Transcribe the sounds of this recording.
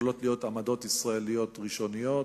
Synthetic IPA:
lot̪lijo̞tamad̪o̞t̪isʁae̞lijo̞t̪ʁiʃo̞nijo̞

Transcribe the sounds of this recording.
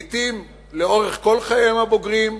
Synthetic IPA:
t̪im | leo̞ʁeχko̞lχajemhabo̞ɡʁim

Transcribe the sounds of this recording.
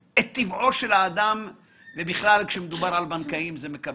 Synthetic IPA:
et̪ːivʔo̞ʃe̞laːd̪am | vebiχlalkʃemed̪ubaʁalbankaimzemeka

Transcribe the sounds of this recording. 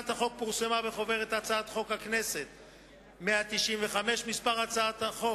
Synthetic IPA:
at̪haχo̞k̚puʁsemabeχo̞ve̞ʁet̪at͡saat̪χo̞khakne̞se̞t̪ | meat̪iʃimveχameʃmispaʁat͡saat̪haχo̞

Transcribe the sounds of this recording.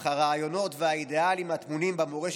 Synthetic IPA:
aʁaːjo̞no̞tveaide̞alimhat̪munimbamoʁeʃ

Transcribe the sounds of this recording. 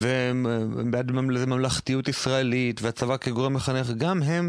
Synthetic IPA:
ve | beadmmlezemamlaχt̪ijutisʁaelitveat͡savakeɡoʁemjeχaneχɡamɦem

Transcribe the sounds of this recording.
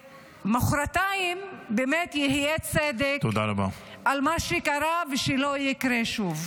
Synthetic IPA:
maχɾat̪aimbemet̪jehijet͡sed̪ekt̪od̪aɾaba̰ʔalmaʃekaɾaveʃelojikɾeʃuv

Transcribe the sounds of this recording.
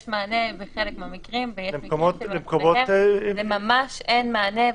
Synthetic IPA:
ʃmaːneveχelekmeamikʁimvejeemkomot̪lemkomoemamaʃenmaːne

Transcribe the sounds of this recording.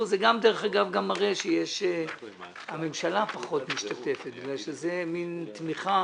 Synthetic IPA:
zeɡamd̪eʁeχaɡavɡamaʁeʃejeʃ | hame̞mʃalapaχo̞t̪miʃtat̪e̞fet̪̚biɡlaʃezemint̪miχa

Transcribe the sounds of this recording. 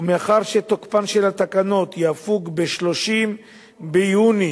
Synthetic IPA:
meaχaʁʃe̞t̪okpanʃe̞lat̪akano̞t̪jeafuɡbeʃlo̞ʃim | bejuni

